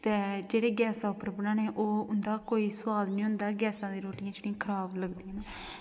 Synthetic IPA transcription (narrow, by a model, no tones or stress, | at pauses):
t̪eːd͡ʒeːɽeːɡɛːsaːʊpːəɾbənãːneːʔoːʊnd̪aːkoːiːsʊwaːd̪nĩːʊ̃nd̪aːɡɛːsãːd̪eːɾoːʈijãːt͡ʃɽĩãːkʰəɾaːbləɡd̪iːɛ̃ːnː